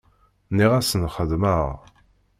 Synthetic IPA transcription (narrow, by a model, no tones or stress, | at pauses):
niʁæsənχəðməʁ